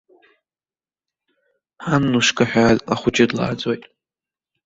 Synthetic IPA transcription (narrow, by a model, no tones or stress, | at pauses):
anːuʂkʰaħʷᶣazlaχʷʊd͡ʒɪdla̰ːd͡zʼojtʼ